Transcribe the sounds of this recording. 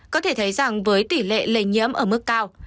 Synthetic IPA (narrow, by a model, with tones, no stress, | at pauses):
kɔ˨˦t̪ʰe˧˩t̪ʰə˨˦jza˨˩ŋvəː˨˦jt̪i˧˩lḛ˧˨le˧˩jɲḭ˧˥əmʔəː˧˩mɨ˦˥k̚ːaː˧w